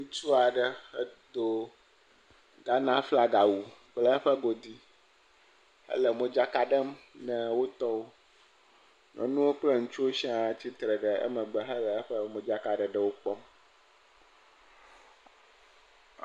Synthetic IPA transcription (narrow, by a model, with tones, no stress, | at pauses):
ŋũ˦t͡ʃu˦a˨ɖə˦ə̰˦d̪o˦ | ɡa˦nã˦fla˦ɡa˨wu˨k͡plə˦ɸə˦ɡo˨d̪i˦ | hə̰˦lə˨mə̃˨d͡ʒa˦ka˦ɖə˦mnɛ̃˨wo˦t̪ɔ˦wo˦ | nʔɔ̰̃˨nũ˦wo˦k͡ple˦ŋũ˦t͡ʃu˦wo˦si˦a˨t͡ɕi˦t̪ɾə˨ɖə˨ə̰˦mə̃˨ɡ͡bə˨ɦə˦lə˨ə˦ɸə˦mə̃˨d͡ʒa˦ka˨ɖə˨ɖə˦wo˦k͡pɔ˦m